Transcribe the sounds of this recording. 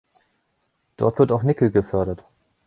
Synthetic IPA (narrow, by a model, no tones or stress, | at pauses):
d̥ɔ̰ɐtv̥ɪɐtaʊxnɪkl̩ɡəfœɐɾɐt